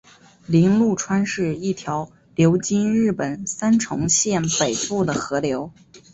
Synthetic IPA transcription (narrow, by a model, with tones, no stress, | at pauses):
li˧˥nlu˥˩ʈ͡ʂʰwa˥nʂɻ̩˥˧i˥˩t̪ʰjɑ˧˥ʊ | ljo˧˥ʊt͡ɕi˥nɻɻ̩˥˩pə˨˩nsa˥nʈ͡ʂʰʊ˧˥ŋɕjɛ˥˩npe˨˩ɪfu˥˩d̪ə˩xɤ˧˥ljo˧˥ʊ